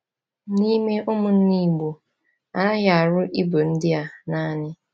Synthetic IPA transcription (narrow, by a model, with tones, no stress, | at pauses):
ni˦me˦ʔʊ˦mʊ˨n̩˦ni˦˨ɡ͡bo˨ | a˨a˦ja˨a˨ɾʊ˦ʔi˦bo˨n̩˦dɪ˦a˦na˦nɪ˦